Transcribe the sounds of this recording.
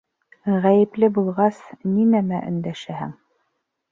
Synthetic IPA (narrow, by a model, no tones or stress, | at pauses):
ʁæjɘ̆plɘbulˠʁɑsninæmæʔɵ̆nd̪æʃæhæ̰ŋ